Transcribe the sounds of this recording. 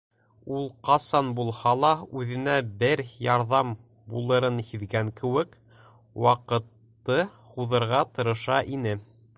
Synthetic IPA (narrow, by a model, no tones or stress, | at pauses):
ulˠqɑsɑnbulˠhɑlˠɑʉðɘ̆næbɘɾjɑɾðɑm | bulˠɤ̆ɾɤnhiðɡæŋkɘ̆wɘk | wɑqɤ̆t̪ːɤ | huðɤ̆ɾʁɑt̪ɤ̆ɾɤ̆ʃɑʔinɘ